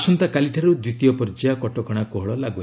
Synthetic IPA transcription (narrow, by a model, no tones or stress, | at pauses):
sɔnt̪akaliʈʰaɾud̪wit̪ijɔpɔɾd͡ʒiakɔʈɔkɔɽ̃akuɦɔɭɔlaɡua